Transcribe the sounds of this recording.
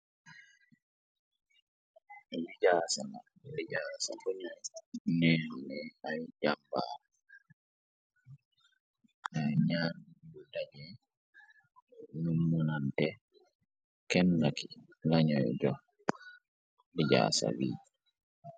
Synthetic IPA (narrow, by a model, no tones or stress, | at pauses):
liɟaːsana | liɟaːsa̰kuɲanɛnnɛajɟamba̰ː | naɲaːnbudaɟɛ | numːunantɛ | kɛnːaki | laɲɔjɟɔ | liɟa̰ːsa̰wḭː